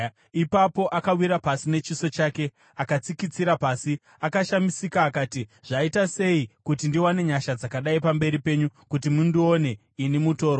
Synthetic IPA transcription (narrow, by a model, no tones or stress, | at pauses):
ipapo̞ʔakawiɾapasine̞t͡ʃiso̞t͡ʃaːke̞ | akat͡sikit͡siɾapasi | akaʃamisikaːkaːtiʐ̥aitase̞ikutindiwane̞ɲaʃad͡zakaɗaipambe̞ɾipe̞ɲukut̬imundione̞ | inimuto̞ːɾo